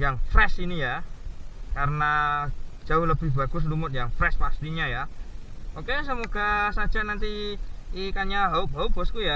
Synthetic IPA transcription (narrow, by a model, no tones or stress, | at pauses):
jaŋfɾɛsinija | kaɾənad̥d͡ʒ̥aʊhləb̥ɪhb̥aɡ̥ʊs̬lumʊt̪̚jaŋfɾɛspast̪iɲaja | okes̬əmoɡ̥asḁd͡ʒanant̪iː | kaɲaɦaubaub̥ɔskuja